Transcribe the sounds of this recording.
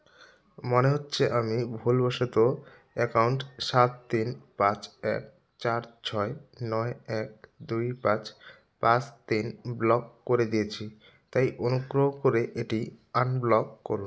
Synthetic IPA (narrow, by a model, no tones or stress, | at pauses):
moneɦotːɕʰeʔamibʱulbɔʃot̪o | ɛkawɳʈʃat̪ːinpãt͡ɕɛk̚ | t͡ɕaɾt͡ɕʰɔenɔeɛk̚d̪ujpãt͡ɕ | pãt͡ɕt̪inblɔkːoɾed̪ijet͡ɕʰi | t̪ajʔonuɡɾoɦokoɾeʔeʈianblɔkːo̰ɾun